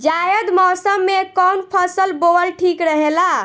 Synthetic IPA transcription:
d͡ʒajəd̪mɔsəmːekɔwnpʰəsəlboəlʈʰikɾəɦela

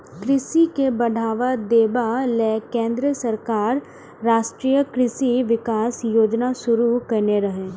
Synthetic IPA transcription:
kɾɪsikebɐɖʱaːʋad̪eːbalɛːkẽːnd̪ɾəsɐɾkaːɾː | aːʃʈɾijəkɾɪsiʋɪkaːsjoːd͡ʒnasʊɾukɐɾneɾɐɦeː

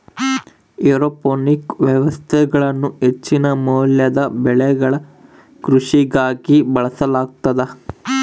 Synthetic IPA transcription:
ɛɾopoːnikʋjɛʋɐst̪ʰɛɡɐɭɐnːuet͡ʃːinɐmɐːljɐd̪ɐbɛɭɛɡɐɭɐ | kɾuʂiɡaːɡibɐɭɐsɐlaːɡ̚t̪ɐd̪ɐ

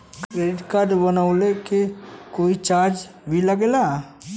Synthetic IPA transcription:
kkɾeːɾɪʈkad̪bənaʊlekekoːit͡ʃaːɾd͡ʒ | bʱiləɡela

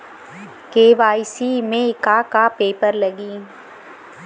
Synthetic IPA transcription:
keːʋaːisiːmẽɪkaːkapeːpəɾlɐɡiː

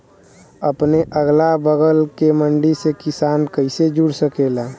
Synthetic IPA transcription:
əpneʔəɡlabəɡəlkeməɳɖisekɪsaːnkəɪsed͡ʒuɽsəkela

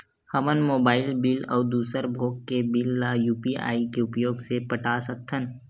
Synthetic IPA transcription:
həmənmoːbaːɪlbɪlɔ̰ːd̪uːsəɾbʱoːkːebɪlːaːjuːpia̰ːikeʊpjoːɡsepəʈasək̚t̪ʰən

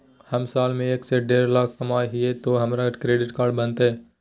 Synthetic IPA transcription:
hɐmsaːlmẽeːkseɖeːɾlaːkʰkɐmaːɦɪet̪oɦɐmɾakɾeːɖɪʈkaːɾɖbɐnt̪eɦɛː

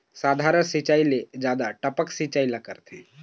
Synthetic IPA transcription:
saːd̪ʱaːɾənsit͡ʃaːiled͡ʒaːd̪aʈəpəksit͡ʃaːilakəɾt̪ɦɛ̃

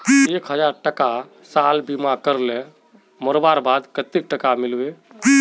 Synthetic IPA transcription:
ekɦəd͡ʒaɾʈəka | salbimakəɾlẽ | məɾbaɾbad̪kət̪ːik̚ʈəkamilbe

